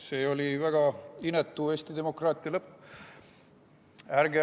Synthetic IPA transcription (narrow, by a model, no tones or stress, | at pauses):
se̞ːo̞lʲivæɡ̥ɑinet̪ːˑue̞ːst̪id̪e̞mo̞krɑːt̪ːˑiɑlɤpː | æɾɡe